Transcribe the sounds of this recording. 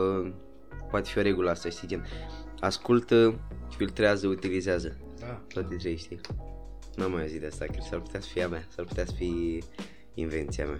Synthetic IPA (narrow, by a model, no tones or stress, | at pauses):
poat̪e̞fioɾe̞ɡuləast̪ajest̪ed͡ʒen | askult̪əfilt̪ɾeazəut̪ilizeazə | t̪oat̪et̪ɾejʃt̪i | nuamːajozit̪east̪akesarput̪easə̥fiamasarput̪easə̥fi | inve̞nt̪sia̰ma